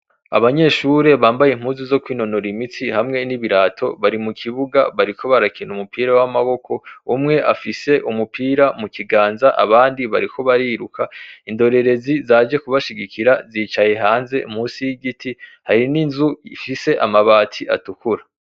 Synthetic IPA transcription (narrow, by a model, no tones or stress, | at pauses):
a̰βaɲe̞ːʃuɾe̞βaːmbajim̥huːnzuzo̞kwiːno̞noɾimit͡sihamŋe̞niβiɾaːtʰo̞βaɾimukʰiβuɡa̰βaɾikʰo̞βaɾakʰinumupiːɾawamaβo̞ko̞umŋe̞ʔafise̞ʔumupʰiːɾamukiɡaːnzaʔa̰βaːndiβaɾikʰo̞βaɾiːɾukʰaindo̞ɾe̞ɾe̞zizaːd͡ʒe̞kuβaʃiɡikiɾaziːt͡ʃaje̞ɦaːnze̞ʔum̥huːsijiɡitihaɾininzuifise̞ʔamaβaːtʰiʔa̰tukuɾa